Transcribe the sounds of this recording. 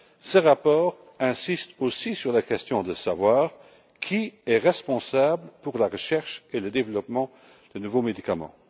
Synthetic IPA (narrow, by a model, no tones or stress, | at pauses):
səʁapɔːʁ | ɛ̃sist̪osisyʁlakɛst̪jɔ̃d̪əsavwaːʁ | kʰiɛʁɛspɔ̃sabləpuʁlaʁəʃɛʁʃeləd̪evlɔpmɑ̃ | d̪̥ənuvomed̪ikamɑ̰̃